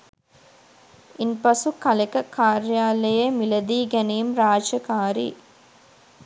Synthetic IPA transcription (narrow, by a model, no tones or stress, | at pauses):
inpɐsukɐlɐkɐkaːɾjaːlɐjɐmilɐd̪iːɡɐnejumɾaːd͡ʒɐkaːɾḭ